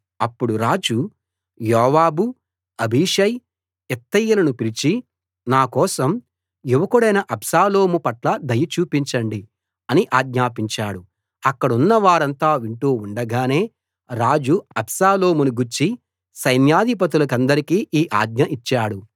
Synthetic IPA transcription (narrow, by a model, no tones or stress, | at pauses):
ɐpːuɽuɾaːd͡ʒu | jɔːʋaːbu | ɐbʱiʂɐj | ɛt̪ːɐjːɐlɐnupiɾit͡ʃi | naːkɔːsɐm | juʋɐkuɽɐjnɐʔɐbsaːlo̞ːmupɐʈlɐd̪ɐjːɐt͡ʃuːpiɲt͡ʃɐɳɖi | ɐniʔaːd̪ɲaːpiɲt͡ʃaːɽu | ɐkːɐɽɐunːɐʋaːɾɐnt̪aːʋiɳʈuːuɳɖɐɡaːne̞ː | ɾaːd͡ʒuɐbsaːlo̞ːmunuɡuɾt͡ʃi | sɐjnjaːd̪ʱip̬ɐt̪̬ulɐkɐnd̪ɐɾikiːʔiːʔa̰ːd̪ɲɐʔit͡ʃːaːɽu